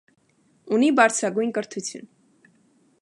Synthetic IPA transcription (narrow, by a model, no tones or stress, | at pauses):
unibɑɾt͡sʰɾɑɡujnkəɾt̪ʰut͡sʰjṵn